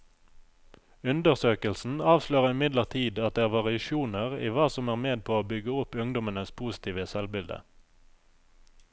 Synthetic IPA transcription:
ʉnd̪əʁsøːkəlsn̩ɑːʋsløːʁɪmɪd̪ləʁt̪ʰiːd̪ɑt̪̚d̪eːæːʁʋɑʁɪɑʃuːnəʁḭːʋɑːsɔmæːʁmeːd̪̚pʰoːoːbʏɡəʊpʉŋd̪ɔmənəspʰuːsɪ̥t̪ʰiːʋəsɛlbɪld̪ə̰

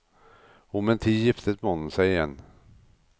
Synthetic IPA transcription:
ɔmɛnt̪ʰiːjɪft̪ət̪mɛhɔnːənsɛjɪjɛnː

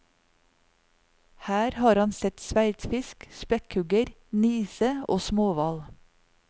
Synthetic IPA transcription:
hæːɾhɑːɾɑnsɛt̪sʋæɪt̪fɪskspɛkhʉɡəɾ | niːsəoːsmoːʋɑl

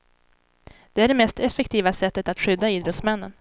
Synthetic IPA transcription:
d̪̥ɛæɖɛmɛst̪ɛfːɛkt̪ʰiːvasɛt̪ːət̪at̪ɧʏd̪ːaiːd̪ɾɔt̪smɛnːən

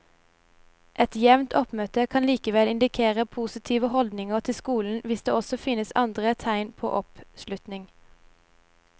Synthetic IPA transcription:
ʔɛt̪jɛʋnt̪ʰɔpmøːt̪əkʰɑnliːkəʋɛlɪnd̪ɪkʰeːʁəpʰuːsɪt̪ʰiːʋəhɔld̪nɪŋəʁt̪ʰɪskuːln̩ʋɪsd̪eːɔsɔfɪnəsɑnd̪ʁət̪ʰæɪnpʰo̰ːʔɔpʃlʉt̪nɪŋ

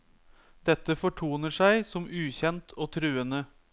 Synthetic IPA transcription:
d̪̥ɛt̪ːəfɔʈʰuːnəʂæɪsɔmʉːçɛnt̪ʰoːt̪ʰɾʉːənə

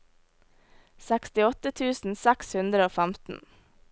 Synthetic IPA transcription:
sækst̪ɪɔt̪ət̪ʰʉːsn̩sækshʉnd̪ɾəoːfæmt̪n̩

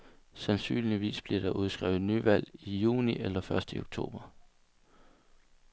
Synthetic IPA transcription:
sænsy̰ːnliʋḭːsb̥liɐɾ̥ɑ̈ʔuð̞ˠsɡ̥ʁɛ̰ʊð̩ˠnyʋæl̰ijṵːniʔelɐfɶɐsd̥əio̝ɡ̥̚t͡sʰo̝̰ːb̥ɐ

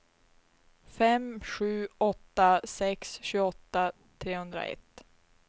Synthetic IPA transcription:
fɛmɧʉ̟ːɔt̪ːasɛksɕʉːɔt̪ːa | t̪ʰɾeːhɵnd̪ɾa̰ɛ̰t̪ː

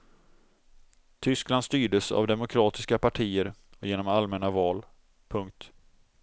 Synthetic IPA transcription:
t̪ʰʏskland̪st̪yːɖəsa̰vd̪ɛmʊkʰɾɑːt̪ɪskapʰaʈʰiːəɾjeːnɔmalmɛnavɑːl | pʰɵŋk̚t̪

